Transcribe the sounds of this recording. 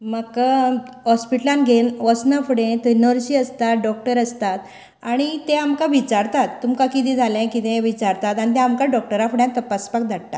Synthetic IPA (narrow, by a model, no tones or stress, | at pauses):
mək | ɦɔspiʈlãnɡʱenʋɔsnafuɽẽt̪ənəɾɕiəst̪aɖɔk̚ʈəɾəst̪at̪ | aɽ̃it̪eamkaʋit͡ɕaɾt̪at̪ːumkãkit̪̬ĩd͡zʱalɛ̃kit̪ɛ̃ʋit͡ɕaɾt̪at̪aɽ̃it̪̬ɛ̃amkaɖɔk̚ʈəɾafɽjãt̪əpaspak̚d̪ʱaɽt̪a